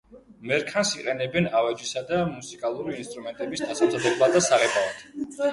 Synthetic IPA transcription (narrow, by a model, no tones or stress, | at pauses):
mɛɾkʰansiqʼɛnɛbɛnavɛd͡ʒisad̪amusikʼalˠuɾiːnst̪ʼɾumɛnt̪ʼɛbisd̪asamzad̪ɛblˠad̪asaʁɛbaat̪ʰ